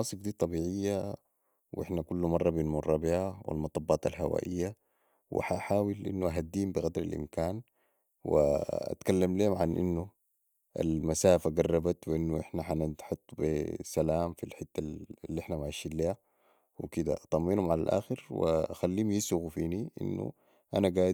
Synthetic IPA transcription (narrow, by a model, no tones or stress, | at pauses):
ɑːsˤifd̪iːt̪ˤɑbiːʕɪjːa | wʔɪ̰ħnakulːumɑrˤːɑbinmʊrˤːɑbiʕawḭlmɑt̪ˤɑbːɑːt̪alɦawa̰ːʔijːa | wḭħaʔħaːwilʔḭnːuʔaɦad̪ːiːmbɪɣad̪ɾalʔḭmkaːn | wḭa̰t̪kalːamliːhumʕanʔḭnːu | ʔa̰lmasaːfaɡɑrˤːɑbat̪wiʔinːuʔɪħnaħanħot̪ˤːbisalaːmfilħɪt̪ːalːiʔɪħnamaʕaʃiːlliːha | wḭkid̪a̰ʔt̪ˤɑmːiːnhumʕalalʔa̰ːxɪɾwḭaxalːiːmjisuɣufiːniʔḭnːṵ | ʔanaɡaː